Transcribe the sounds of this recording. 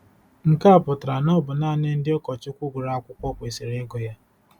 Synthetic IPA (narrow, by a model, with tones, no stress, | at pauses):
ŋ̩˨ka˦a˦˨pʊ˨tɾa˨nɔ˦bʊ˨naː˦˨ne˦n̩˦dɪ˦ɔ˦kɔ˨t͡ʃɪ˦kʷʊ˦ɡʷʊ˨ɾa˨a˦kʷʊ˦kʷɔ˦kʷe˨si˨ɾe˦e˦ɡo˨ja˦